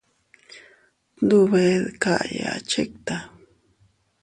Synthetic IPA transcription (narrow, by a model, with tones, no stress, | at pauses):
d̪uβeðka˦ʔja̰˨t͡ʃe˦k̚t̪a